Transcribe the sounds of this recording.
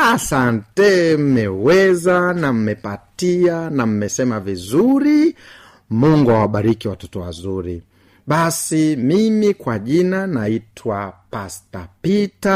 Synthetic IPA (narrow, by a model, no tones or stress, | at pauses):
asantɛm̩mɛwɛzanam̩mɛpatianam̩mɛsɛmavizuɾi | muŋɡuawaɓaɾikiwatɔtɔwa̰zuɾi | ɓasimimikwaʄinanaitʰwapastapita